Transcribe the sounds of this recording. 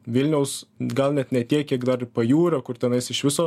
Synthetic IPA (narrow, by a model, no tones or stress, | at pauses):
ʋʲɪlʲnʲɛʊsɡɐlˠnʲɛt̪nʲɛt̪ʲiɛkkʲiɛkd̪ɐrpɐjuːɾɐkʊrt̪ʲɛnɐɪsɪʃʋʲɪsoː